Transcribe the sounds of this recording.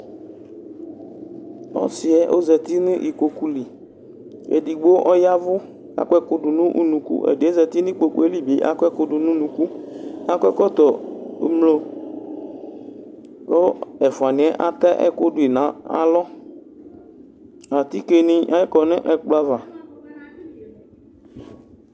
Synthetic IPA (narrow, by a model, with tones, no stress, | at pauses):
ɔ̰˦sɪ˨ɛ˦ʔo˦zɛ˨t̪i˦nɪ̃˦ʔi˨ko˨ku˦li˨ | ḛ˨di˨ɡ͡bo˦ʔɔ˦ja˦vʊ˦ | a̰˦kʷɛ˦kʊ˦ɖʊ˨nʊ̃˦ʔṵ˦nũ˨kṵ˦ʔḛ˨dɪ˨˦e˦zɛ˨t̪i˦nĩ˦k͡po˨k͡pu˦e˦li˦bi˨ʔa̰˦kɔ˦ɛ˦kʊ˦dʊ˨nũ˦nũ˨ku˦a˦kʷɛ˦kɔ˦t̪ɔ̰˨˦mlo˦ | ko˦ɛ˨fʊ˨a˨nɪ̃˨ɛ˦ʔa˦t̪ɛ˦ʔɛ̰˦kʊ˦dʊ˨i˨nã˨˦a̰˨lɔ˦ | a˨t̪i˦ke˨nɪ̃˦a˨jɛ˦kɔ˨nɪ̃˦ʔɛ˨k͡plo˦a˦va˨